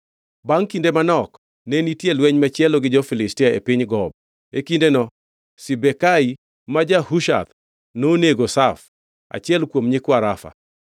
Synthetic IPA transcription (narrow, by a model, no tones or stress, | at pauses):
baŋkindemanɔk | nenitjelwɛɲmat͡ʃjɛloɡɪd͡ʒɔfɪlɪstɪaḛpɪɲɡɔb̚ | ekindenɔ | sibekai | mad͡ʒahuʃa̰t̪ | noneɡosaf | a̰t͡ʃjɛlkwomɲɪkwaɾafa̰